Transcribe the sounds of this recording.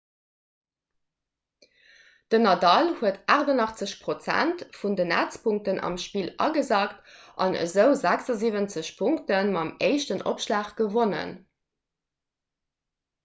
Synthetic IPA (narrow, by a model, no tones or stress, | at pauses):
d̥ənɑdɑlhuətʔaːʁdɑnɑχt͡səɕpʁot͡sæ̰ntfundənæ̰t͡spʰuŋk̚tənʔɑ̰mʃpiːlɑ̰ɡəzaːkt | ʔɑnə̰zəʊzæksɑziːvənt͡səɕpʰuŋktənmɑmeɪʃtənʔo̰pʃlaːχɡ̥əvonə̰n